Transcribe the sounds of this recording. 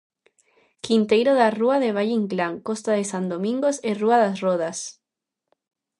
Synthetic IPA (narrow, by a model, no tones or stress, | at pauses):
kint̪ejɾoðaruaðeβ̞aʎiŋɡlaŋkost̪aðesand̪omĩŋɡoseruaðasroðas